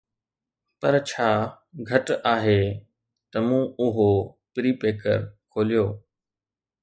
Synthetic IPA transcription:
pɐɾt͡ɕʰaː | ɡʱɐʈaːɦe | t̪ɐmũːʊɦo | pɪɾiːpeːkə̰ɾkʰoːlijoː

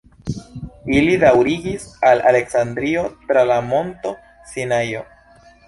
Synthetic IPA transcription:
ilidawɾiɡisala̰le̞ksandɾio̞tɾalamo̞nto̞ | sinajo

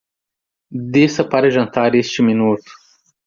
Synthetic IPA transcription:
d̪eːsɐpɐɾeʒɐnt̪aːɾist͡ʃiminuːt̪

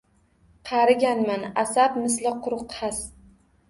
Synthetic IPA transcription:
qʰɑɾɪɡʲanmanasabmɪslɪqʰʊɾʊqhas

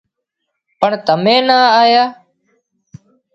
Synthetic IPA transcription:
pəɳt̪əmẽːnaːaːjaː

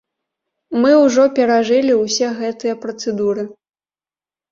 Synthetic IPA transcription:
mɨwʐɔpʲɛɾaʐɨlʲiwsʲɛɣɛt̪ɨjɐpɾɐt̪sɨd̪uɾɨ

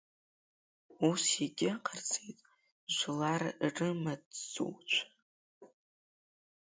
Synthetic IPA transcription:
usiɡʲɪqʰart͡sʼejtʼ | ʒʷlarrɨmadzo̰wt͡ʃʷʰ

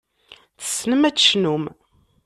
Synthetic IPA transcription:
θə̥sːnəmæt͡sːʃnum

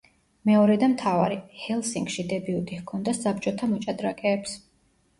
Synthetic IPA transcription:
mɛɔɾɛd̪amt̪ʰava̰ɾihɛlˠsiŋɡʃid̪ɛbiut̪ʼihkʰɔnd̪asap̚t͡ʃʼɔt̪ʰamɔt͡ʃʼad̪ɾakʼɛːps

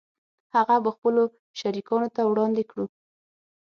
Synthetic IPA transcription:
haɣabəxpəlo | ʃaɾikɑnot̪awɽɑnd̪ekɽu

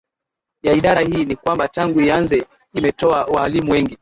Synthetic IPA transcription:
jaiɗaɾahiːnikwambataŋɡuianzɛ | imɛtɔawaːlimuwɛŋɡi

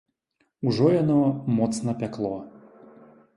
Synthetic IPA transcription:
uʐɔjanɔmɔt̪sn̪ɐpʲaklˠɔ

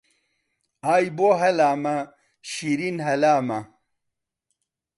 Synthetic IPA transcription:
aːjboɦɐlaːmɐ | ɕiɾinɦɐlaːmɐ

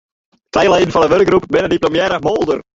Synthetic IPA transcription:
tɛjlˠɛjdn̩fɑndəʋørk̚ɡrupbɪnədiplomjɛːɾəmolˠdər

